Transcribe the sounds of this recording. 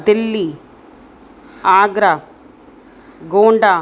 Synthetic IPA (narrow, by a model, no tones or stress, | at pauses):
d̪elːi | aːɡɾa | ɡoːɳɖa